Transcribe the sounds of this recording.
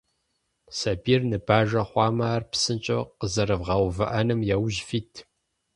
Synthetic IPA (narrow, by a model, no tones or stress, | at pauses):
sɐbiːrnɨbaːʒɐχʷɑːmaːrpsɨnt͡ʃʼɐqəzɐɾɨvʁɐwvɨʔɐnɨmjɛwʒfiːtʰ